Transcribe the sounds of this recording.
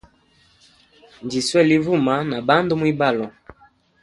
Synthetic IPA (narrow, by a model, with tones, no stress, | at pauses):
nd͡ʒi˨swɛ˦˨li˦vu˦˨ma˦na˨ba˦ndo˦mwi˦ba˦˨lɔ˨